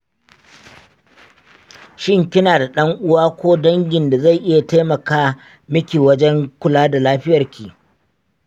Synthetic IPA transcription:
ʃɪ˦ŋkʲɪ˦naː˨da˨ɗɐ˦ŋʔʊ˦waː˦kʷoː˦dɐ˦ŋɡʲɪ˨nda˨za˦˨ʔɪ˦ja˨ta˦jmɐ˨kaː˦ | mɪ˦kʲiː˨wɐ˦d͡ʒɛ˦ŋkʷʊ˨laː˦da˨laː˦ɸɪ˦jɐ˨rkʲiː˨

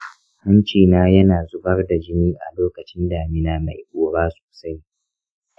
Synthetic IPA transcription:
hɐ˦nt͡ʃiː˨naː˦jɐ˦naː˨zʊ˦bɐ˦rda˨d͡ʒɪ˦miː˦ʔa̰˨loː˦kɐ˨t͡ʃɪ˦nda˨mɪ˦naː˨ma˨jkʷʼoː˨˦baː˦so̥ː˨sa˦j

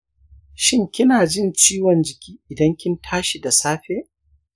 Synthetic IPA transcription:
ʃɪ˦ŋkʲɪ˦naː˨d͡ʒɪ˦nt͡ʃiː˦wɔ˨nd͡ʒɪ˨kʲiː˦ʔɪ˨dɐ˦ŋkʲɪ˦ntʰaː˦ʃi˨da˨saː˦ɸeː˦ʔ

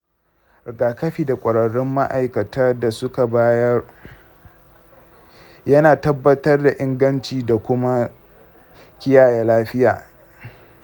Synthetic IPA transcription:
ɡaː˨kɐ˦ɸiː˦˨da˨kʷʼɐ˨ɽɐ˨ɽɪ˦mːa˦ʔa˨jkɐ˨taː˦da˨sʊ˦ka˨baː˦jɐ˦r | jɐ˦naː˨tɐ˦bːɐ˦tɐ˦rda˨ʔɪ˦ŋɡɐ˦nt͡ʃiː˨da˨kʷʊ˦ma˦ | kʲɪ˦jaː˨ja˨laː˦ɸɪ˦jaː˨

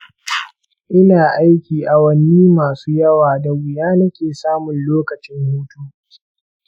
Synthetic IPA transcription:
ʔɪ˦naː˨ʔa˦jkʲiː˨ʔa˨wɐ˦nːiː˦maː˨suː˦jɐ˦waː˨da˨wʷʊ˨jaː˦nɐ˦kʲeː˨saː˦mʊ˨nloː˦kɐ˨t͡ʃɪ˦ŋhuː˦tuː˦

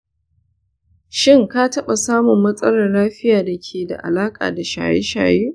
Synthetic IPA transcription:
ʃɪ˦˨ŋkaː˦tɐ˦ɓa˨saː˦mʊ˨mːɐ˦sʼɐ˦lɐ˨rlaː˦ɸɪ˦jaː˨da˨kʲʰeː˨da̰˨ʔa̰˨laː˦kʼa̰ː˨da˨ʃa̰ː˨jḛ˦ʃa̰ː˨jeː˦

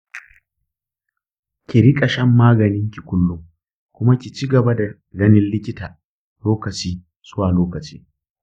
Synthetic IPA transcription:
kʲi˨ɾɪ˦kʼɐ˨ʃɐ˦mːaː˦ɡɐ˨nɪ˦ŋkʲi˨kʷʊ˦lːʊ˦m | kʷʊ˦ma˦kʲi˨t͡ʃi˦ɡɐ˨ba˦da˨ | ɡɐ˦nɪ˦nlɪ˦kʲɪ˦taː˨ | loː˦kɐ˨t͡ʃiː˦ | sʊ˦waː˨loː˦kɐ˨t͡ʃi̥ː˦

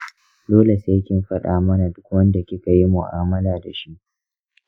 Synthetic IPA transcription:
doː˦le˨se˦kʲɪ˦mɸɐ˦ɗaː˦mɐ˦na˨dʊ˦kwɐ˦nda˨kʲɪ˦ka˨ji˦mʊ˨ʔaː˦mɐ˦laː˨da˨ʃi˦ʔ

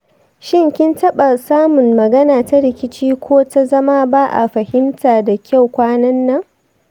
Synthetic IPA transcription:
ʃɪ˦˨ŋkʲɪ˦ntɐ˦ɓa˨saː˦mʊ˨ŋːɐ˨ɡɐ˦naː˨ta˦ɾɪ˦kʲɪ˦t͡ʃiː˦kʷʰoː˦ta˦zɐ˦maː˦ba˦ʔa̰˨ɸɐ˨hɪ˦mtʰaː˨da˨kʲʰa˦˨wkʷaː˦nɐ˦nːɐ˦ŋ

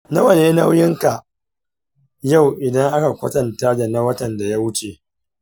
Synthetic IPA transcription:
na˦wɐ˨neː˦na˦wjɪ˦ŋka˨ | ja˦˨wʔɪ˨dɐ˦ŋʔa˦ka˨kʷɐ˦tɐ˨ntaː˦da˨na˦wɐ˦tɐ˨nda˨ja˦wʊ˦t͡ʃe˨

